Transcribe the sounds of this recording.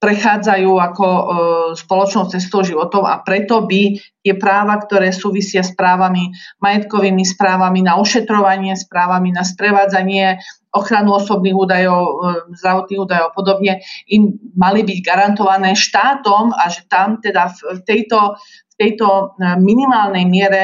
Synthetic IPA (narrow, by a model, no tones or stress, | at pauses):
pɾɛxaːd͡zajuːakɔspɔlɔt͡ʃnɔʊt͡sɛs̬t̪ɔʊʒiʋɔt̪ɔʊa̰pɾɛt̪ɔbit̪ɪɛpɾaːʋakt̪ɔɾɛːsuːʋisɪaspɾaːʋamimajɛt̪kɔʋiːmispɾaːʋaminauʃɛt̪ɾɔʋaɲɪɛspɾaːʋaminaspɾɛʋaːd͡zaɲɪɛ | ɔxɾanuɔsɔbniːɣuːd̪ajɔʊzd̪ɾaʋɔt̪niːɣuːd̪ajɔʊpɔd̪ɔbɲɛimmːalibiɟɡaɾant̪ɔʋanɛːʃt̪aːt̪ɔmaʒɛt̪amt̪ɛd̪afft̪ɛjt̪ɔ | ft̪ɛjt̪ɔminimaːlnɛjmɪɛɾɛ